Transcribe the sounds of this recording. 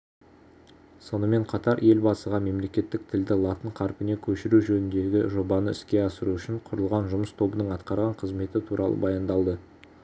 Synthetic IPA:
so̞nəme̞ɴqʰɑt̪ɑɾe̞lbɑsəʁɑme̞mle̞kʲe̞t̪ːɪk̚t̪ʰɪld̪ɪlˠɑt̪əɴqʰɑɾpɪne̞kʲʰɵʃɪɾuʒɵnɪnd̪e̞ɡʲɪʒo̞bɑnəɪskʲe̞ɑsəɾuʏʃɪɴqʰʊɾəlˠʁɑnʒʊməst̪ʰo̞bənəɴɑt̪qɑɾʁɑɴqʰəzme̞t̪ɪt̪ʰuɾʔɑlˠə̰bɑjɑnd̪ɑlˠd̪ə

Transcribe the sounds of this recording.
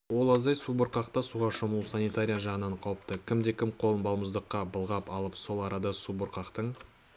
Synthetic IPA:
wo̞lˠɑzɑjsubʊɾqɑqt̪ɑsuʁɑʃomulsanit̪aɾʲijaʒɑʁənɑɴqʰɑwəpt̪əkʲʰɪmd̪e̞kʲʰɪmqʰo̞lˠənbɑlˠməzd̪əqːɑbəlˠʁɑpɑlˠəpso̞lˠɑɾɑd̪ɑsubʊɾqɑqt̪əɴ

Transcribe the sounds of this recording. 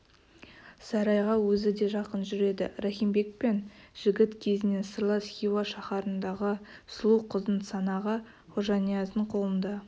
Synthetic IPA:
sɑɾɑjʁɑwɵzɪd̪e̞ʒɑqənʒʏɾe̞d̪ɪ̰ɾaχimbe̞k̚pe̞nʒ̥ɪɡʲɪt̪kʲʰe̞zɪne̞səɾlˠɑsχʲiwaʃɑχɑɾənd̪ɑʁəslˠuqʰəzd̪ənsɑnɑʁə | χoʒɑnijazd̪əɴqʰo̞lˠənd̪ɑ

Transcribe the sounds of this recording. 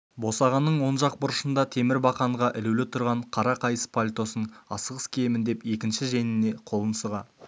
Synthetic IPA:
bo̞sɑʁɑnːəɴwo̞nʒɑq̚bʊɾəʃənd̪ɑt̪ʰe̞mɪɾbɑqɑɴʁɑʔɪlelɪt̪ʰʊɾʁɑɴqʰɑɾɑqʰɑjəspʰolʲt̪o̞səɴɑsəʁəskʲʰe̞jmɪnd̪e̞pe̞kʲɪnʃɪʒe̞nɪne̞qʰo̞lˠənsəʁɑ

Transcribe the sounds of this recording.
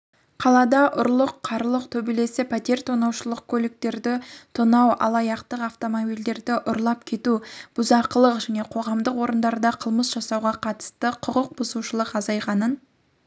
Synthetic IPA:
qʰɑlˠɑd̪ɑʔʊɾlˠəqʰːɑɾlˠəqt̪ʰɵbele̞sɪpʰat̪e̞ɾt̪ʰonɑwʃəlˠəq̚kʲʰɵlɪk̚t̪e̞ɾd̪ɪt̪ʰonɑwʔɑ̰lˠɑjɑqt̪əqɑft̪o̞mobijld̪e̞ɾd̪ɪʔʊɾlˠɑp̚kʲʰe̞t̪ub̥ʊzɑqəlˠəqʒæne̞qʰo̞ʁɑmd̪əqwo̞ɾənd̪ɑɾd̪ɑqʰəlˠməsʒ̥ɑsɑwʁɑqʰɑt̪ə̥st̪əqʰʊqəq̚bʊzuʃəlˠəqɑzɑjʁɑnən

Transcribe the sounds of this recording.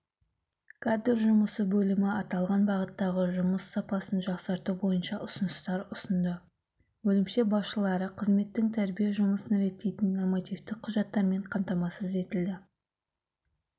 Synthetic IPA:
kʰad̪ɾʒʊməsəbɵlɪmɪɑt̪ɑlˠʁɑnbɑʁət̪ːɑʁəʒʊməsːɑpɑsənʒɑqsɑɾt̪ubo̞jənʃɑʔʊsənəst̪ɑɾʊsənd̪ə | bɵlɪmʃe̞bɑsʃəlˠɑɾəqʰəzme̞t̪ːɪŋt̪ʰæɾbijeʒʊməsənɾe̞t̪ːe̞jt̪ɪnːo̞rmat̪ift̪ɪk̚qʰʊʒɑt̪ːɑɾme̞ɴqʰɑmt̪ɑmɑsəze̞t̪ɪld̪ɪ

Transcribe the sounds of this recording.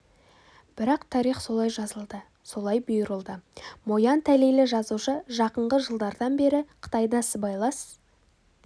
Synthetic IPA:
b̥ɪɾɑqt̪ʰɑɾiχso̞lˠɑjʒɑzəlˠd̪ə | so̞lˠɑjbʊjəɾəlˠd̪əmo̞jɑnt̪ʰæle̞jlɪʒɑzuʃəʒɑqəɴʁəʒəlˠd̪ɑɾd̪ɑnbe̞ɾɪqʰə̥t̪ɑjd̪ɑsəbɑjlˠɑs

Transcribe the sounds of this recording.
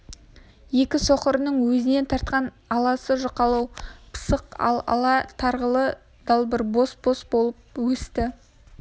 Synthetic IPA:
je̞kʲɪsoqəɾənəɴwɵzɪne̞nt̪ʰɑɾt̪̚qɑn | ɑlˠɑsəʒʊqɑlˠɑwpʰə̥səqɑ̰lˠɑ̰lˠɑt̪ʰɑɾʁəlˠə | d̪ɑlˠbɪɾbo̞sbo̞sbo̞lˠəp̚wɵst̪ɪ

